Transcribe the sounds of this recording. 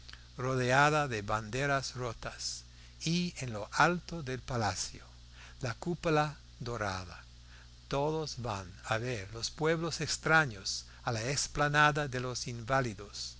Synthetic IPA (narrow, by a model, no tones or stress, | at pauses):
roðeaðaðeβand̪eɾasrot̪as | ienloʔalt̪oðelpalasjo | lakupula | d̪oɾa̰ða | t̪oðosβanaβeɾlospweβlosekst̪ɾaɲos | alaeksplanaðaðelosiɱbaliðos